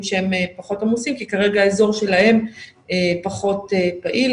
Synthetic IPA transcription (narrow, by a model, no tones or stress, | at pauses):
mʃeemepaχo̞tamusimkikaʁe̞ɡaːezo̞ʁʃe̞lahe̞m | epaχo̞t̪epaʔil